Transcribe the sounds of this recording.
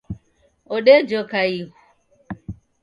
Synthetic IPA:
oɗed͡ʒokaikʷu̥

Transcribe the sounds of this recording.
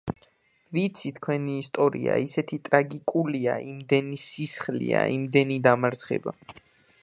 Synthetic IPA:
vit̪sʰit̪ʰkʰwɛniːst̪ʼɔɾḭa̰isɛt̪ʰit̪ʼɾaɡikʼuliaʔimd̪ɛnisisχlḭa̰imd̪ɛnid̪amaɾt̪sχɛ̰ba̰

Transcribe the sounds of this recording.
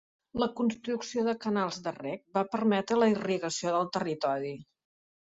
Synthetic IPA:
ləkunst̪ɾuksioðəkənalˠzd̪ərɛk̚bapəɾmɛt̪ɾələiriɣəsioðəlˠt̪ərit̪ɔɾi

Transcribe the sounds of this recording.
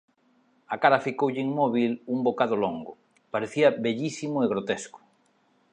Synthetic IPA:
akaɾafikowʎɪiŋmɔβ̞ilumbokaðoloŋɡʊ | paɾeθiɐβeʎisimoeɣ̞ɾot̪esko̥

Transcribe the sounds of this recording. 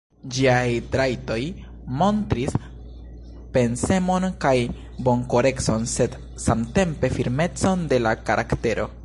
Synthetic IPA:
d͡ʒiajtɾajto̞j | mo̞ntɾis | pe̞nse̞mo̞nkaj | bo̞ŋko̞ɾe̞kso̞nse̞d | samte̞mpe̞fiɾme̞t͡so̞nde̞lakaɾʔakte̞ɾo̞̰

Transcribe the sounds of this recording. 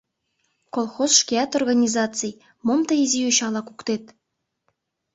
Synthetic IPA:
kolˠxozʃkʲiɑt̪orɣanʲizɑt̪t͡sɨj | momt̪ɤizijøɕɑlˠɑkukt̪et̪

